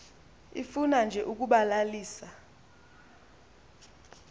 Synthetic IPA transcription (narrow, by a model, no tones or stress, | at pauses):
ifunand͡ʒʱɛʔuk̬uɓalaliːsa